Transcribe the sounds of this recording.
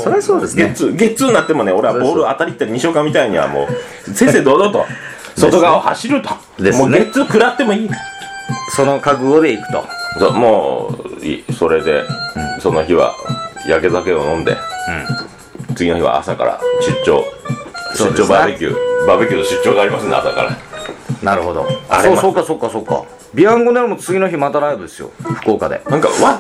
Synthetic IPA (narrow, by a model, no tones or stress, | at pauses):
soɾsoːd̪esɡet͡sɨɡe̞t͡sɨːnːat̪ːe̞mo̞neo̞ɾe̞aboːɾɯat̪aɾʲit̪ːaɾiɲ̟iɕoːkãmːʲit̪aiɲ̟iβa̰mo̰ː | sẽ̞sed̪oːd̪ot̪o̰ | so̞t̪o̞ɡaoha̰ɕiɾɯ̟t̪o̥ | d̪emoːnet͡sɨkɯ̟ɾat̪ːe̞mo̞iːkḁso̞no̞kakɯ̟ɡo̞ːd̪e̞ikɯ̟̥t̪o̞̰so̰ːmoːḭso̞ɾe̞d̪e̞̰so̞noçiβa̰jake̞zake̞o̞nõnd̪e̞̰ɯ̃ | t͡sɨɡino̞çiβa̰a̰saka̰ɾa̰ɕɨt͡ɕːo̞̰ː | ɕsoːd̪et͡ɕoːbabekʲɯ̰babekʲɨːt̪oɕɨt͡ɕːo̞ːɡaːɾʲimasɨ̃nd̪asaka̰ɾa̰naɾɯ̟ho̞d̪o̞̰asoːsokːasokːaso̞kːa̰ | bʲiãŋɡonaɾimot͡sɨɡʲinoçimat̪aɾaebɯd̪esɨjo̰ɸɯ̟̥ko̞ːkad̪e̞̰nãŋka̰βa